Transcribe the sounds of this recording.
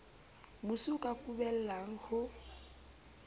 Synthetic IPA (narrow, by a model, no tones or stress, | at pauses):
musukʼakʼubɛl̩laŋ̩hʊ